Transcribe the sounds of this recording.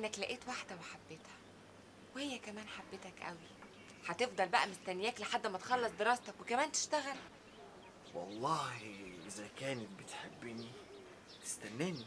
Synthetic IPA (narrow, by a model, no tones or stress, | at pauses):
ʔnːæklæʔeːt̪waħd̪æweħabːet̪hæ̥ | wehejːækæmæːnħabːet̪ækʔæ̰wi | ħɑt̪efd̪ˤɑlbæʔæmost̪ænːejæːkleħad̪ːmæt̪e̥xɑlːɑsˤd̪eɾˤɑːst̪ɑkwekæmæːnt̪e̥ʃt̪æɣæl | wɑ̰lˤːɑːhiʔezækæːnet̪̚bet̪ħebːni | t̪e̥st̪ænːæːni